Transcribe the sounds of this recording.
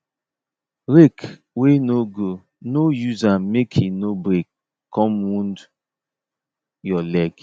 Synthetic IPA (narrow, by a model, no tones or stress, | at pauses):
ɾek | wenoɡo | nojuzamekʰinobɾek | kʰːɔ̃mwũnd | jɔlɛɡ